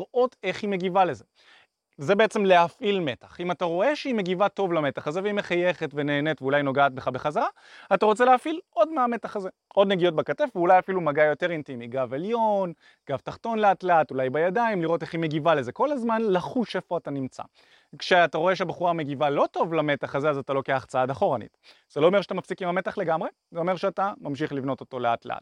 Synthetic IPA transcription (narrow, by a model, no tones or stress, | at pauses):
liʁʔo̞teχhime̞ɡivale̞ze̞ | zebe̞et͡semle̞afilme̞taχimataʁo̞eʃeime̞ɡivato̞vlame̞taχazeveime̞χajeχetveneːnetveulajno̞ɡaːt̚be̞χabeχazaʁa | ataʁo̞t͡se̞leafilo̞dmeametaχaze̞ | ʔo̞dneɡijo̞t̚bekatefveulajafilumaɡajo̞te̞ʁintimiɡaveljo̞n | ɡ̥avtaχto̞nleatleatulajbajadaimliʁo̞teχimeɡivaleze̞ko̞lazmanlaχuʃe̞foatanimt͡sa̰ | kʃeataʁo̞e̞ʃeabaχuʁame̞ɡivalo̞to̞vlame̞t̪aχazeazat̪alo̞keaχt͡saad̪aχo̞ʁanḭt | z̥elo̞ːmeʁʃat̪amafsikimame̞taχle̞ɡamʁe̞ | zeo̞me̞ʁʃeatamamʃiχlivno̞t̪o̞t̪o̞lea̰tleʔa̰t